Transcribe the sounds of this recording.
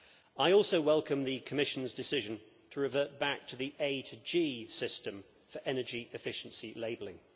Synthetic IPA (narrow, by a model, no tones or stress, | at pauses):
aɪɔˑlˠsəʊwɛlˠkə̃mðəkʰəmɪʃə̃nzdɪsɪʒə̃n | tʰəɹɪvɜˑʔ̚b̥ak̚tʰəðiʔeɪtʰəd͡ʒiːsɪstə̃ɱ | fəɹʔɛnəd͡ʒiʔɪfɪʃə̃nsileɪbəlɪ̃ŋ